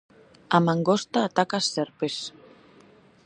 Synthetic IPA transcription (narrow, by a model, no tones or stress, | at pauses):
amaŋɡost̪aːt̪akasːeɾpes